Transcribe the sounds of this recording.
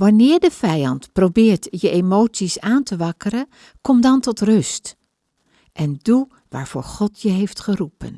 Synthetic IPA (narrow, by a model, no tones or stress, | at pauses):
ʋɑnɪːɹdəvɛjɑntprowbɪːɹtjəʔemowtsisaːntəʋɑkəɾən | kɔmdɑntɔtrɵst | ʔɛndu | ʋa̰ːɹv̥o̰ːɹχɔtʰjəɦejftχərupə̰n